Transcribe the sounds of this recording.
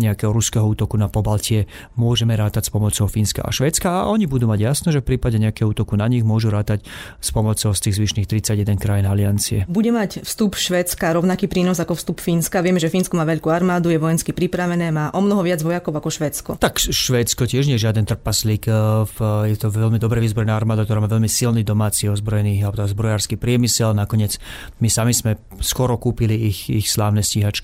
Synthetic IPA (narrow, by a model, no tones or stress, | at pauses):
ɲɛakɛːɦɔɾuskɛɦɔuːt̪ɔkunapɔbalcɪɛ | mʊɔʒɛmɛɾaːt̪acspɔmɔt͡sɔʊfiːnska̰ʔa̰ʃʋɛːt͡skaa̰ʔɔɲibud̪uːmaɟjasnɛʒɛfpɾiːpaɟɛɲɛakɛɦɔuːt̪ɔkunaɲiɣmʊɔʒuɾaːt̪acspɔmɔt͡sɔʊst̪iːɣzʋiʃniːxt̪ɾit͡saɟjɛd̪ɛnkɾajinalɪant͡siɛbuɟɛmacfst̪upʃʋɛːt͡skaɾɔʊnakiːpɾiːnɔzakɔfst̪upfinskaʋɪɛmɛʒɛfiːnskɔmaːʋɛʎkuaɾmaːd̪ujɛʋɔjɛnskipɾipɾaʋɛnɛːmaːʔɔmnɔɦɔʋɪad͡zʋɔjakɔʊakɔʃʋɛːt͡skɔ̰t̪akʃʋɛːt͡skɔcɪɛʒɲɛjɛʒɪad̪ɛnt̪r̩paslik | jɛt̪ɔʋɛʎmid̪ɔbɾɛʋiːzbɾɔɛnaːaɾmaːd̪akt̪ɔɾaːmaːʋɛʎmisilniːd̪ɔmaːt͡siɔzbɾɔjɛnialɛbɔt̪ɔzbɾɔjaːɾskiːpɾɪɛmisɛlnakɔɲɪɛd͡z | misamizmɛ | skɔɾɔkuːpiliixixslaːʊnɛsciɦat͡ʃki